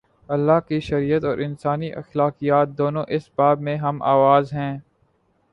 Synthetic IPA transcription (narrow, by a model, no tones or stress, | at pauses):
ɐlːaːkiʃɐɾijət̪ɔːɾʔɪnsaːniʔɐ̰xlaːkijaːt̪̚d̪oːnõʔɪsbaːbmẽɦɐmʔa̰ːʋaːzɦɛ̃ː